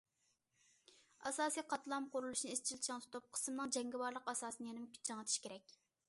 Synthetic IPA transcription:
ɑsɑːsijqʰɑt̪ʰlˠɑmqʰʊɾulˠuʃnɨest͡ʃʰilt͡ʃʰɑŋt̪t̪ʰop̚qʰə̥smnɨŋd͡ʒɛŋɡʲiwɑɾlˠəqɑsɑːsɨnɨjɛnɪmkʲʰy̥d͡ʒɑŋət̪ʰi̥ʃkʲeɾɛk̚ʲ

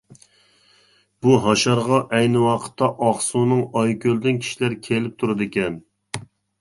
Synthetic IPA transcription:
b̥uɦɑʃɑɾʁɑʔɛjnɪwɑqʰə̥t̪ʰːɑʔɑχsunɨŋɑjkʲʰøld̪ɪnkʲʰi̥ʃilæɾkʲʰelɪp̚t̪ʰuɾɨd̪ɪkʲɛn

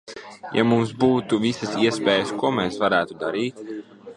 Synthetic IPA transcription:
ja̰mumsbuːt̪uvisɐsiɛspɛːjəskuɔmɛːsvaɾæːt̪ud̪aɾiːt̪

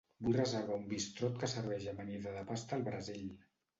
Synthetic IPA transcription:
bujrəzeɾβ̞aumbist̪ɾot̪kəsəɾβɛʒəməniðəðəpast̪əːlˠβɾəziʎ

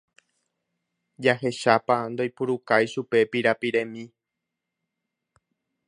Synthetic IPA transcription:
d͡ʒaɦe̞ʃapand̪o̞jpuɾukajʃupe̞piɾapiɾẽ̞mĩ

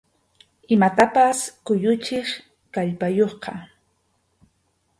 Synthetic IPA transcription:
ɪmat̪apaskʊjʊt͡ʃɪχ | kaʎpajoχqɑ

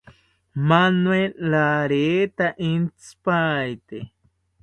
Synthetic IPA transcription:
manwelaɾet̪aʔint͡spajt̪e

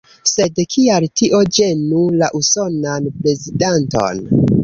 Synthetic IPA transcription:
se̞dkʰialtiʔo̞d͡ʒe̞nulaʔuso̞nanpɾe̞zidanto̞̰n

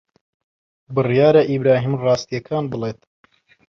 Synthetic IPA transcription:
bɨrjaːɾɐʔibɾaːɦiːmrɑːst̪ijɐkʰaːnbɨlˠeːt̪

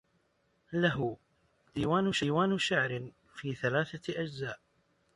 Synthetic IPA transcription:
laɦʊ | d̪iːwaːnʊʃaːwaːnʃaʕɾɪ | fiːθalaːθaʔad͡ʒzaːʔ

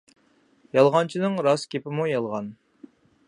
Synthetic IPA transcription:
jɑlˠʁɑnt͡ʃʰinɨŋɾɑskʲʰepɪmujɑlˠʁɑn

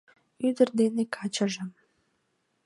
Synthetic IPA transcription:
yd̪ərd̪enekʰɑt͡ɕəʒəm

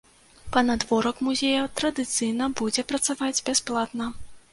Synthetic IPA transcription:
pɐnad̪vɔɾɐkmuzʲejɐt̪ɾɐd̪ɨt̪sɨjnɐbud͡zʲɛpɾɐt̪savad͡zʲbʲasplˠat̪nɐ

